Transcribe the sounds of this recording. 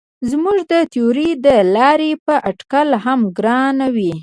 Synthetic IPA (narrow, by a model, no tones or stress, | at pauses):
zmuʒd̪ət̪ioɾid̪əlɑɾepəʔaʈkalɦamɡɾɑnawi